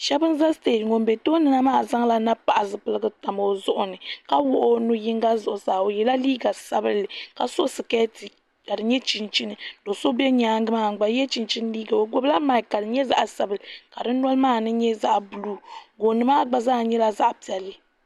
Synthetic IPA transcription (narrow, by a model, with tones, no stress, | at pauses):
ʃɛ˦bɨ˦n˦za˦ste˦˨tŋo˨m˨bɛ˨to˦nɨ˨na˦maː˦˨za˦ŋla˦na˦pa˨ʔa˨zɨ˨pɨ˦lɨ˦ɡɨ˦ta˨mo˨zʊ˦ʔʊ˨nɨ˨ka˦wʊ˦ʔo˦nu˦ji˦ŋɡa˦zʊ˨ʔʊ˨saː˨o˨jɛ˨la˦liː˦ɡa˨sa˦bɨ˦lːɨ˨ka˨so˦sɨ˨kɛ˦ti˨ | ka˨dɨ˨ɲɛ˦t͡ʃi˨nt͡ʃi˦nɨ˨do˨so˦bɛ˦ɲaː˨˦ŋ˦ɡɨ˦maː˦˨ŋ̩˨ɡ͡ba˨˦jɛ˦t͡ʃi˨nt͡ʃi˦n˦liː˦ɡa˨o˨ɡo˦bla˦ma˨ka˨dɨ˨ɲɛ˦za̰˨ʔsa˨bɨ˨lɨ˨ka˨dɨ˦nɔ˦lmaː˦˨nɨ˦ɲɛ˦za˦ʔbu˨lu˦ɡo˨nɨ˨maː˦ɡ͡ba˨zaː˦˨ɲɛ˦la˦za˦ʔpi˨ɛ˨lːɨ˨